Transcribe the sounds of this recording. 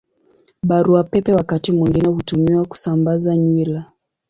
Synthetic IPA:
ɓaɾuapɛpɛwakatimwiŋɡinɛhutumiwaku̥sambazaɲila

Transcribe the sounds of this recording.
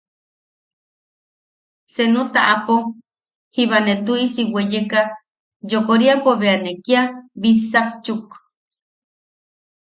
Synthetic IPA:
senũt̪aʔapo | hiβanet̪uisiwejeka | d͡ʒokoɾiapoβeanekiaβisat͡ʃuk

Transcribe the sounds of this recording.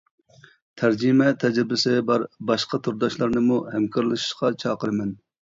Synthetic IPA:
t̪ʰæɾd͡ʒɪmɛt̪ʰɛd͡ʒɾbɪsɪbɑɾbɑʃqɑt̪ʰuɾd̪ɑʃlˠɑɾnɨmuhɛmkʰɑɾlˠɨʃi̥ʃqɑt͡ʃʰɑːqəɾɨmɛn

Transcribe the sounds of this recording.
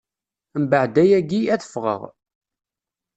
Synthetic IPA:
mbəʕd̪æjæɡiæθə̥fʁə̰ʁ

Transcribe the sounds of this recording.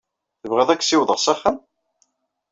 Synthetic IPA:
θəvʁeðˤækːsiwðˤəʁsæχːəm

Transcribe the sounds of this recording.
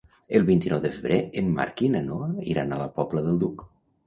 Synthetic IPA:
əlˠβint̪inɔwðəfəβɾeemːa̰ɾkinanoḭɾanaləpɔpləðəlˠd̪uk

